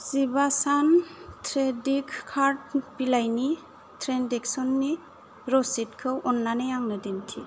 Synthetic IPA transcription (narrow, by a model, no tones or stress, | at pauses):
z̥ibasantʰɾedikʰkʰːaɾt̚pilajni | tʰɾendeksɔnːi | ɾɔsit̚kʰɯwʔɔnːanejaŋnɯdintʰi